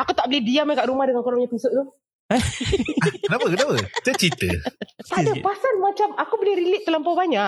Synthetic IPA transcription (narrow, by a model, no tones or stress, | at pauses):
akut̪aʔbəlɪhdiamakaʔɾumahdəŋankɔɾaŋɲat̪isʊʔt̪ʊ | kənapəkənapəsat͡ʃit̪ə̰t̪adapasanmat͡ʃamakubəlɪhɾiliʔ̚t̪əlampabaɲaʔ